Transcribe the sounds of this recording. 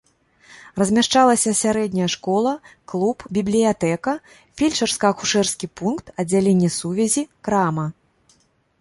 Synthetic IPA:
rɐzʲmʲaʂt͡ʂalˠɐsʲɐsʲaɾɛd̪ʲnʲɐjɐʂkɔlˠɐklˠupbʲiblʲijat̪ɛkɐ | fʲilʲt͡ʂɐrskɐɐkuʂɛrskʲipunkt̪ɐd͡zʲːalʲenʲːɛsuvʲɛzʲikɾamɐ

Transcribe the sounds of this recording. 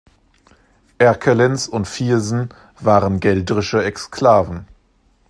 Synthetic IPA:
ʔɛɐkʰəlɪnsʊntfiːɐzn̩ | vaːʁənɡɛldəʁɪʃəɛkskʰl̥aːvn̩

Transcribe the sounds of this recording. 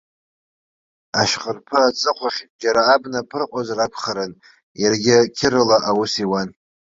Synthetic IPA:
aʃqʼərpʰɨat͡sʼɨqʷʰaχʲd͡ʒaɾaːbnapʰɨrqʷʼazrakʷʰχaɾɨn | jarɡʲɪkʲʰɪɾɨlaʔawusiwan

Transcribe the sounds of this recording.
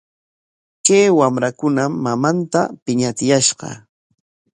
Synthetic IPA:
kejwamɾakʊnamːamant̪apɪɲat̪ɪjaʃɢɑ̰

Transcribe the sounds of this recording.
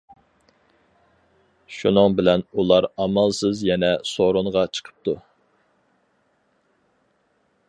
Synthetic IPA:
ʃṵnɨŋbɪlɛnulˠɑɾɑmɑlˠsɨzjɛnɛsoɾʊɴʁɑt͡ʃʰə̥qʰə̥p̚t̪ʰu

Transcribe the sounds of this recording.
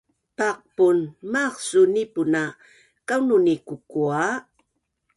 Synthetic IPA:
taq̚punmaχsunipuna | kawnunikukua

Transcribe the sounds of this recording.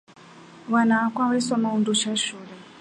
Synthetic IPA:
wanaːkwawɛsɔmaundut͡ʃaʃuːlɛ

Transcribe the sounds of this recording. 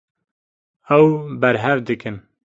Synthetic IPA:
ɛwbɛɾɦɛvd̪ɨkɨn

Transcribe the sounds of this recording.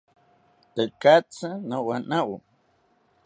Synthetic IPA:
t̪əkat͡sənəwanaw

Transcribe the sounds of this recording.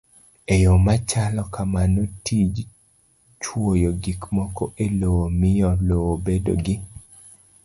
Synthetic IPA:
ejomat͡ʃalɔkamanotid͡ʒ | t͡ʃwojoɡikmɔkɔʔelowomɪjɔlowobedo̰ɡɪ

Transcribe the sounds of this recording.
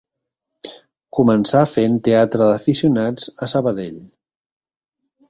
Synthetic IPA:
kumənsafent̪eat̪ɾəðəfisiunad͡zəsəβəðeʎ

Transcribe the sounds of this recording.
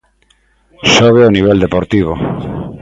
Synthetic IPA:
soβ̞eoniβ̞eld̪epoɾt̪iβ̞o̰

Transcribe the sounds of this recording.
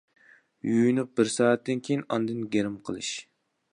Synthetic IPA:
jujnɨq̚bɪɾsɑːɛt̪ːɪnkʲʰejinɑnd̪ɨnɡʲeɾɪmqʰəlˠɨ̰ʃ

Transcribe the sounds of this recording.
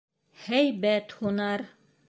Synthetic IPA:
hæjbæt̪hunɑɾ

